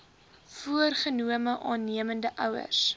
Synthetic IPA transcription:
fuərχənuəməʔɑːnːiəməndəʔœwə̰rs

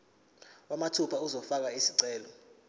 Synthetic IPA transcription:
wamatʰupʰauzɔfak̬aisiǀɛːlɔ

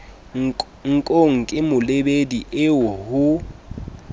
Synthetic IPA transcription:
ŋ̩kʼoŋ̩kʼɪmʊlebediʔɪwɔhʊ

